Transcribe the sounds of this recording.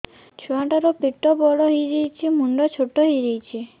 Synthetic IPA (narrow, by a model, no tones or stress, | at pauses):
t͡ʃʰuaʈaɾɔpiʈɔbɔɽɔɦiɾejt͡ʃʰimuɳɖɔt͡ʃʰoʈːɔɦiɾijt͡ʃʰi